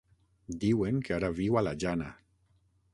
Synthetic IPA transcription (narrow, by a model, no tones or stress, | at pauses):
d̪iweŋkeaɾaβiwalad͡ʒana